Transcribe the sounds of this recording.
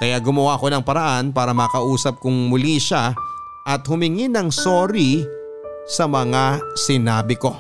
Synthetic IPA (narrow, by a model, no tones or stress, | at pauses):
kɐjaɡʊmɐwaʔɐko̞nɐŋpɐɾɐʔanpaːɾɐmɐːkɐʔuːsɐp̚kʊŋmʊliʃa | ʔɐt̪̚hʊmɪŋinɐŋsoːɾi | sɐmɐŋasɪnaːbɪko̞